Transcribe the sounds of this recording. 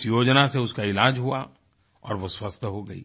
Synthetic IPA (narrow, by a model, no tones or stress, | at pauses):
sjoːd͡ʒnaseʊskaɪlaːd͡ʒɦua̰ | ɔ̰ːɾʋoswɐst̪ʰɦoɡɐḭː